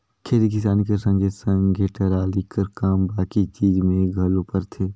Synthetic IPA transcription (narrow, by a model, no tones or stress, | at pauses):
kʰeːɾik̬ɪs̬aːnikesə̃ŋɡʱesə̃ŋɡʱeːʈəɾaːlikəɾkaːmbaːkit͡ʃiːd͡ʒmẽɡʱɐlõpəɾt̪ʰeː